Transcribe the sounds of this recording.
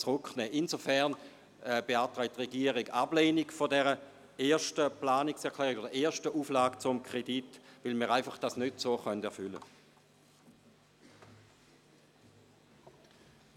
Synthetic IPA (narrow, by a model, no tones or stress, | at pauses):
t͡sʁʊknɛːʔinzofɛɐn | ɛb̥eaːɐtʁɛɪt̚ːʁeɡiəʁiɡa̰bleːniɡfodɛʁə | eːɐʃtəplaːniksɛɐkʰl̥ɛːʁɪɡodɐeːɐʃtəʔuːflaːkt͡sʊmkʰʁ̥editvɪlmiːʁaɪfaχd̥asnøtsoːχœntɛɐfʏlə̰